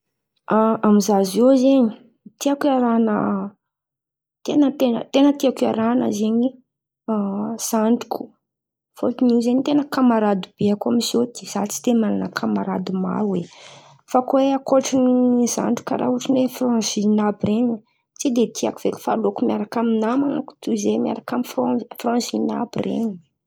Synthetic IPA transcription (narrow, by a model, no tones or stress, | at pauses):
aamizazewzeɲi̥ | t̪iakaɾanə̰ | t̪enət̪enə̰t̪enət̪iaka̰ɾanə̰zeɲi | z̥aɳɖ͡ʐi̥ku̥ | fo̰lt̪iniwzeɲit̪enəkamaɾad̪ib̥eakamizod̪i̥z̥at͡si̥t̪emananəkʰamaɾa̰d̪ima̰ɾuwe | fakweakoʈ͡ʂiniza̰ɳɖ͡ʐu̥ka̰ɾʔa̰uʈ͡ʂinefrãzinabireɲi | t͡sid̪et̪iakuveli̥falokumjaɾakaminamanaku̥t̪uzemia̰ɾakamiffrɔ̃zina̰birḛɲi̥